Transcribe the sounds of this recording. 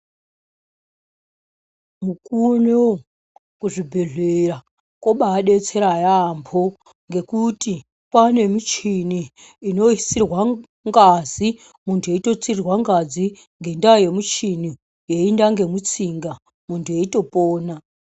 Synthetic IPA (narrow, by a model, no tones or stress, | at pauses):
mukuno | kuʐibʱeɮera | koɓaːɗe̞t͡se̞ɾajampʰo̞ | ŋɡe̞kuti | pwane̞mit͡ʃiniː | no̞isirwa | ŋɡazi | muntʰuje̞ito̞t͡sirwaŋɡad͡zi | ŋɡe̞ndaje̞mut͡ʃini | jeindaŋɡe̞mut͡siŋɡa | muntʰuje̞ito̞poːna